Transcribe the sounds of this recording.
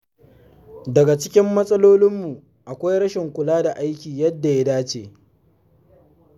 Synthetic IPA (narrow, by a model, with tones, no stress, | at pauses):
dɐ˨ɡa˨t͡ʃɪ˦kʲɪ˦mːɐ˦sʼɐ˦loː˦lɪ˦mːu˨ | ʔa˨kʷa˦jɽɐ˦ʃɪ˨ŋkʷʊ˨laː˦da˨ʔa˦jkʲiː˨jɐ˦dːa˨ja˦daː˦t͡ʃeː˨